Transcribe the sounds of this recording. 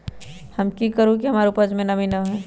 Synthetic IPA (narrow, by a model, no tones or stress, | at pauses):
hɐmkikəɾũk̬iɦɐmaːɾʊpəd͡ʒmẽnɐʋinɐɦɛː